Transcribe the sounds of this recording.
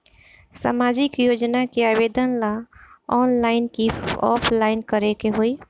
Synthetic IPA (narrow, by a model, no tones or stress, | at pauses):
sa̰maːd͡ʒɪkjoːd͡ʒnakiaːʋeːd̪ənlaɔːnlaːɪnkiɔ̰ːpʰlaːɪnkəɾekeɦoiː